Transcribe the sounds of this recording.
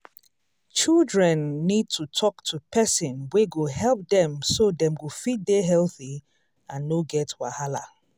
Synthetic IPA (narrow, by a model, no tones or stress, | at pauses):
t͡ʃildɹɛ̃nːid̚tʰutʰɔktʰupʰɛsɪ̃nweɡoɦɛlˠp̚dɛ̃msodɛ̃mɡofit̚deɦɛlˠθi | ãnːoɡɛtwahala̰